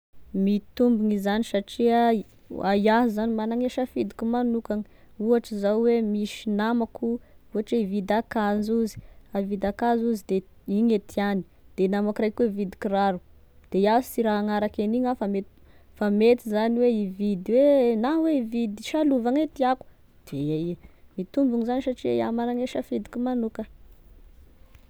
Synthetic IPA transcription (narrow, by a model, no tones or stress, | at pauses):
mit̪umbiŋizanisaʈ͡ʂiə | ajaɦizanimanaŋeʃafid̪i̥kumanukaŋi | uɦaʈ͡ʂizawwemiʃinamakuuaʈ͡ʂeivid̪akazuzi̥avid̪akazuzid̪e | iɲet̪ʰiani̥ | d̪̥enamakrajkuwevid̪i̥kiɾaɾu | d̪̥eiazisiɾaaŋaɾakeniɲafamet̪ | famet̪izaniweivid̪iwenaweivid̪iʃaluvaŋet̪iaku̥ | d̪̥eeimit̪umbuŋizanisaʈ͡ʂiia̰manaŋeʃafid̪i̥kumanukə